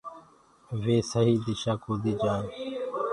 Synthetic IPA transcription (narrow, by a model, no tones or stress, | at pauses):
ʋeːsəɦiːd̪ɪʃaːkoːd̪iːd͡ʒãːn